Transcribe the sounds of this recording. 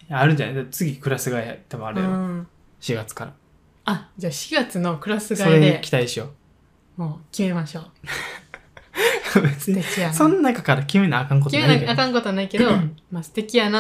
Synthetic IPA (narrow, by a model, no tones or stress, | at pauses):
jaːɾɯ̟d͡ʒa̰nad̪at͡sɨɡʲikɯ̟ɾasɨɡaiat̪emõaɾɯjo | ɕiɡat͡sɨ̥kaɾa̰ | ad͡ʑaːɕi̥ɡat͡sɨno̞kɯ̟ɾasɨɡasoɾeɲikʲi̥t̪aiɕio | moːkʲime̞maɕo̞ː | bet͡sɨɲʲekijasõ̞nːanakakaɾakʲimenaakãŋk̬ot̪enakeakãŋko̞t̪onaike̞d̪omasɨ̥t̪e̞kʲijana